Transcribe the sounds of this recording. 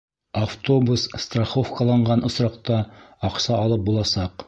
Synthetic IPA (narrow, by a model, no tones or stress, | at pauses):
aft̪o̞busst̪raχo̞fkɑlˠɑɴɢɑnŏsɾɑqt̪ɑɑqsɑːlˠɤp̚bulˠɑsɑq